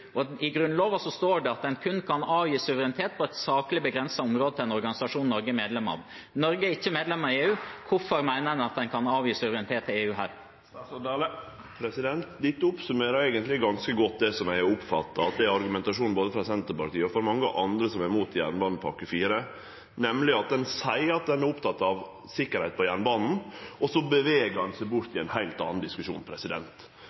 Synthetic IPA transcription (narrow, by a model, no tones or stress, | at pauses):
ɔɪɡɾʉnloːʋɑsɔst̪oːɖɛɑt̪̚d̪ɛnkʰʉnkʰɑnɑːʋjiːsʉʋəɾɛnɪt̪ʰeːt̪̚pʰɔɛt̪sɑːklɪbəɡɾɛnsɑʊmɾoːd̪ət̪ɪlɛnɔɾɡɑnɪsɑʂuːnnɔɾɡəmeːd̪lɛmɑ̰ːʋ | nɔɾɡəɛɾɪçːəmeːd̪lɛmːɑɾɪeːʉːkʰʊfɔɾmæɪnəɛɑt̪̚d̪ɛnkʰɑnɑːʋjiːsʉʋɾɛnɪt̪ʰeːt̪ʰːɪleːʉːɦæːɾ | pʰɾɛsɪd̪ɛnt̪d̪ɪt̪ːəʊpsʉmeːɾəɾæɪɡənt̪lɪɡɑnskəɡɔt̪̚d̪ɛsɔmæɪʊpfɑ̰t̪ːɑɑt̪̚d̪ɛæɾɑɾɡʉmɛnt̪ɑʂuːnn̩boːd̪əfɾɑsɛnt̪əɾpɑɾt̪iːəɔfɔɾmɑŋːəʔɑnd̪ɾəsɔmæɾmuːt̪jæ̰ːɾnbɑːnn̩pʰɑkəfiːɾə | nɛmlɪɑt̪̚d̪ɛnsæɪɑt̪̚d̪ɛnæɾʊpt̪ʰɑt̪ːɑʋ | sɪkːəɾhæɪt̪̚pʰɔjæːɾɳnbɑːnn̩ʔɔsɔbəʋeːɡəɾhɑnsæɪbʊɾt̪ɪɛɪnhæɪlt̪ɑ̰ːn̩d̪ɪskʉʂṵːnpʰɾɛsɪd̪ɛ̰nt̪